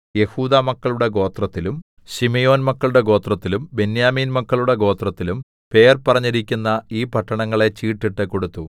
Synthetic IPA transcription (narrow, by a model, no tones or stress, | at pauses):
je̞huːd̪aːmɐkːɐɭuɽe̞ɡo̞ːt̪rɐt̪ːilum | ɕimejo̞ːnmɐkːɐɭuɽe̞ɡo̞ːt̪rɐt̪ːilumbe̞njaːmiːnmɐkːɐɭuɽe̞ɡo̞ːt̪rɐt̪ːilum | pe̞ːrpɐrɐɲːiɾikʲːunːɐiːpɐʈːɐɳɐŋːɐɭe̞t͡ɕiːʈːiʈːɨko̞ɽut̪ːu